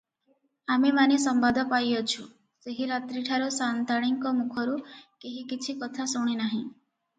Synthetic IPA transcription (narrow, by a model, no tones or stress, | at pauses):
amemanisɔmbad̪ʱɔpajɔt͡ʃʰu | seɦiɾat̪ɾiʈʰaɾɔsant̪aɽ̃iŋkɔmukʰɔɾukeɦikit͡ʃʰikɔt̪ʰasuɽ̃inaɦĩ